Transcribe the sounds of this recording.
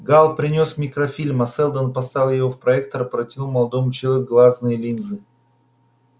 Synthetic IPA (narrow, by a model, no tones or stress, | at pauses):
ɡalˠpɾʲɪnʲo̞smʲɪkɾɐfʲilʲmɐsɛlˠd̪ənpɐst̪avʲlʲˠjɪvofpɾɐɛkt̪əɾəpɾɐtʲɪnumɐlˠɐd̪omʊt͡ɕɪɐkɡlˠaznɨjəlʲinzɨ